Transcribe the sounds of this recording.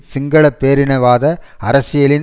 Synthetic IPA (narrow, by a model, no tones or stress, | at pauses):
sɪŋɡɐɭɐpːeːɾɪnɐʋaːðɐɐɾɐsɪjɐlɪn